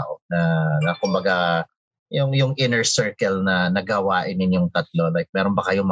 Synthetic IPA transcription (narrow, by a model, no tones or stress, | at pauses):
ʔob̚nɐnɐkʊmbɐɡa | jʊŋjʊŋʔɪnɛɹsɛɹkɛlnɐnɐɡɐwaːʔɪnɪnjʊŋt̪ɐt̪̚lo̞lajk̚mɛːɾonbɐkɐjom